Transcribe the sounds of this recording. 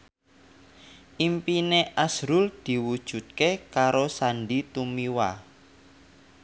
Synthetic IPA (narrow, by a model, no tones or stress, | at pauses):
ʔimpineʔasɾʊld̪̥i̤wud̥ʒ̥ṳt̪̚kekaɾosanɖit̪umiwa